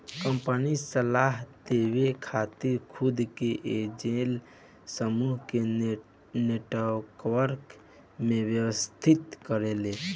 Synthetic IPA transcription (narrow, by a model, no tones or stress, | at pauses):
kəmpənisəlaɦt̪ewekʰat̪iɾkʰud̪keʔed͡ʒel | səmuɦke | neʈakʋəɾk | mẽbjəwəst̪ʰit̪kəɾele